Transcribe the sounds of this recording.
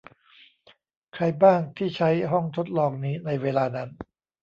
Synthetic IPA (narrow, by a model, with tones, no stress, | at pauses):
kʰɾa˧jbaː˥˩ŋt̪ʰiː˥˩t͡ɕʰa˦˥jɦɔ˥˩ŋt̪ʰo˦˥t̪̚lɔː˧ŋ̚niː˦˥na˧jweː˧laː˧na˦˥n